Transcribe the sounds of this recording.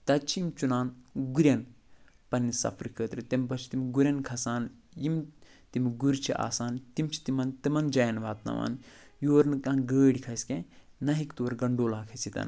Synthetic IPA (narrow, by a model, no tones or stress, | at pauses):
t̪ɐt͡ʃʰiimt͡ʃunaːnɡuɾʲjɐn | pɐnːisɐ̰pʰɾikʰəːt̪ɾɨt̪ɐmʲbɐt͡ʃʰi̥t̪imɡuɾʲɐnkʰɐsaːnjimt̪imɡuɾt͡ʃʰiʔa̰ːsaːnt̪imt͡ʃʰi̥t̪imɐnt̪imɐnd͡ʒɐjɐnʋaːt̪nɐ̰ʋa̰ːn | joːɾnkanɡəːɽikʰɐskẽ | nɐɦikt̪oːɾɡɐɳɖoːlaːkʰɐsit̪ɐ̰n